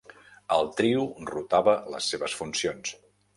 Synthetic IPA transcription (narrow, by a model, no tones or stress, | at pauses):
əlˠt̪ɾiurut̪aβələ̰sːeβəsfunsions